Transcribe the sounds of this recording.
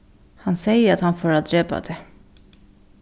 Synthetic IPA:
hɑnsɛɪəɾɑt̪hɑnfoːɾad̪ɾeːba̰d̪ʰe

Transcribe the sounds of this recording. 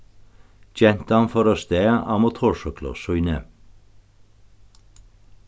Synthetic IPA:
çɛnt̪əɑnfɔɾoːst̪eːʔɑːmot̪ʰoːʃœklɔ̰sʉʏnə

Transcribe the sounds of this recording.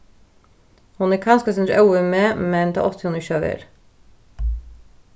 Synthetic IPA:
hʊnæːkʰɑnskəsɛnɾɑʉəmeːmɛnd̪ḛʔɔt̪ʰɪhʊnɪçøʋə̰ɾ

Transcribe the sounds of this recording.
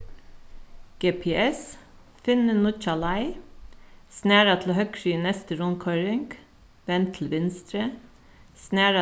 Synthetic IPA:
ɡ̥eːpʰeːʔɛs | fɪnənʊt͡ʃɑlɑɪ | snæːɾɑt̪ʰl̩oːhœkɹyːnɛst̪əɾʊnkʰɔɹɪŋɡ̥ | ʋɛnt̪ʰl̩ʋɪnst̪ɾə | snæːɾɑ

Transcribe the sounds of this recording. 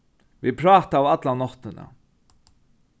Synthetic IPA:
vipʰɾɑːt̪aːwat̪lanɔht̪ːɪna̰

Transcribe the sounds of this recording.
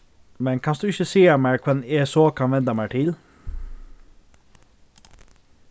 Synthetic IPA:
mɛnkʰɑnsd̪ʉːɪçəseːəmæɪkʰɛneːsoːkʰɑnʋɛnd̪əmæɪʈʰɪl

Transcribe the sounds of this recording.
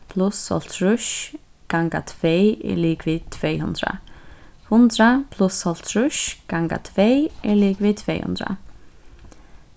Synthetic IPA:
pʰlʊshɔ̰l̥t̪ʰɾʊʃ | ɡ̥aŋka̰t̪ʰv̥ejɪ̰liːkvɪt̪ʰvejɦʊ̰nt̪ɾa̰hʊnt̪ɾapʰlʊshɔl̥t̪ʰɾʊʃɡ̥aŋka̰t̪ʰvejɪliːkvɪt̪ʰveːjhʊ̰nt̪ɾa̰

